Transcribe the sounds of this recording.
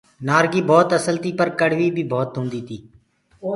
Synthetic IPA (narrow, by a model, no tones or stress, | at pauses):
naːɾɡiːbɔːt̪əsəlt̪iːpəɾkəɽ̤ʋiːbʱiːbʱɔːt̪ɦʊ̃ːnd̪iːt̪ʰiː